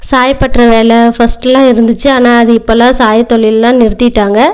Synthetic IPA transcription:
saːjpɐʈrɐʋeːlɛfɐsʈɛlãːɪɾɯnd̪ɯt͡ʃːɯaːnaːɐðɯɪpːolãːsaːjt̪ɔɭɪllãːnɪɾɯt̪ːɪʈːaːŋɡɐ

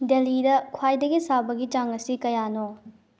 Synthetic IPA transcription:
delidɐkʰwajdɐɡisabɐɡit͡ʃaŋɐsikɐjano

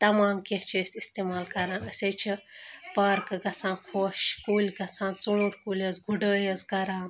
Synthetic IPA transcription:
t̪ɐmaːmkeht͡ʃʰisist̪eːmaːlkɐɾaːnɐsʲeːt͡ʃʰipaːɾkɨɡɐsãːnkʰoːʃkuːlʲɡɐsãːnt͡sũːɽkuːlʲəzɡʱuɖəːjɐzɡɐɾaːn

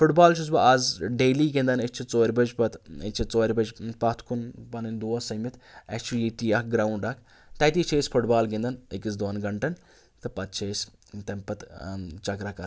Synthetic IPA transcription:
fʰʊʈbaːlt͡ʃʰus̬bɐɐzɖeːliɡẽnd̪ɐnet͡ʃt͡ʃʰit͡soːɾʲbɐd͡ʒpɐt̪et͡ʃʰit͡soːɾʲbɐd͡ʒpɐt̪ʰkʰunpɐnind̪uːɐsɐmit̪ʰɛ̰t͡ʃʰiʈiɐkɡɾaːuɳɖɐkʰ | t̪ɐt̪iːt͡ʃʰespʰuʈbaːlɡẽnd̪ɐnɪkis̬d̪oːnɡɐɳʈɐn | t̪ɨpɐt̪̚t͡ʃʰes | t̪ɐmpɐt̪t͡ʃɐkɾakɐɾ

